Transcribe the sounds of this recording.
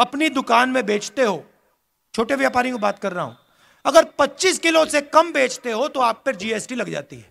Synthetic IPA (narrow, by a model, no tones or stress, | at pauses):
ɐpnid̪ʊkaːnmẽbeːt͡ʃt̪eɦoː | t͡ʃʰoːʈeʋjaːpaːɾĩkobaːt̪kɐɾːɐɦa̰ɦṵ̃ | ɐɡəɾpɐtːʃiːskɪlosekɐmbeːt͡ʃt̪eɦot̪oaːpːɐɾd͡ʒiːeːsʈilɐɡd͡ʒa̰ːt̪iɦɛː